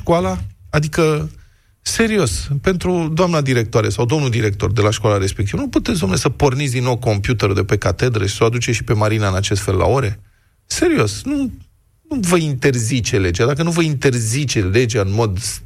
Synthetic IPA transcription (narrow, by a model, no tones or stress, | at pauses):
ʃkwalaad̪ikə | se̞ɾio̞spe̞nt̪ɾud̪oamnad̪iɾe̞k̚t̪oaɾesawd̪o̞mnud̪iɾe̞k̚t̪o̞rd̪e̞laʃkwalaɾe̞spe̞k̚t̪ivnuput̪et̪sd̪omnesəpo̞rnit̪s̬ʲd̪inːo̞wko̞mpjut̪eɾud̪e̞pe̞kat̪e̞d̪ɾeʃi̥soad̪ut͡ʃeʃipe̞maɾinaɨnat͡ʃe̞st̪fe̞lːa̰o̞ɾe̞ | se̞ɾio̞snu | nuvəint̪e̞rzit͡ʃe̞le̞d͡ʒad̪ak̬ənuvəint̪e̞rzit͡ʃe̞le̞d͡ʒaɨnmo̞d̪